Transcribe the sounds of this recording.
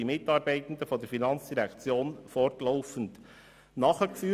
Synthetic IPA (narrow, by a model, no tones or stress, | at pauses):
imɪt̪ɑːɾbɛɪt̪ən̩d̪əfɔd̪əɾfinɑnt͡sd̥iɾɛkt͡sjoːnfɔrtlɔʊfən̩t̪ | nɑχəkfyː